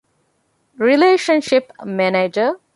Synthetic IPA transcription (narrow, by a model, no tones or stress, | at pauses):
ɾileːʃə̃nʃɪpmæned͡ʒə